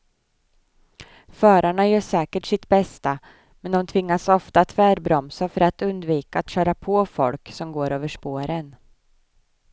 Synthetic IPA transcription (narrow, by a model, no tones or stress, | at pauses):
fœːɾaɳajœːʂɛːkəʈʂɪt̪bɛst̪a | mɛnd̪ɔmt̪ʰvɪŋːasɔft̪aːt̪fæːɾbɾɔmsafœɾat̪ɵnd̪viːkaːt̪ɕœːɾapʰɔːfɔ̰lksɔmɡoːɾøːvəʂpoːɾən